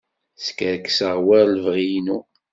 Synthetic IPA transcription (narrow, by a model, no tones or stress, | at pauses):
skəɾksəʁwæɾlvʁijnu